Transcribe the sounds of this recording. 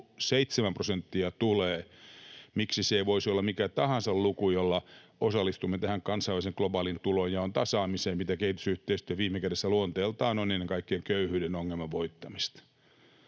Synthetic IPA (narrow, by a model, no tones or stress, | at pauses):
seit̪semæmprosent̪ːiɑt̪uleː | miksiseiʋoisolːɑmikæt̪ɑhɑnsɑllukujolːɑosɑlːˑist̪umːet̪æhæŋkɑnsɑiʋæliseŋklobɑːlint̪ulojjɑont̪ɑsɑːmiseːmmit̪ækehit̪y̥syht̪eist̪yøʋiːmːekæresːæluont̪eːlt̪ɑːnonenːeŋkɑikːieŋkøyhyːɾenoŋːelmɑʋʋoit̪ːɑmist̪